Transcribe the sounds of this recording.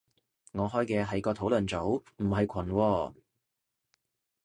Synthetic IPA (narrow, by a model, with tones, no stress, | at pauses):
ŋɔː˨˧ɦɔː˥jkɛː˧ɦɐ˨jkɔː˧t̪ʰo˨˥wlɵ˨˩nt͡so˨˥wm̩˨˩ɦɐ˨jkʷʰɐ˨˩nwɔː˧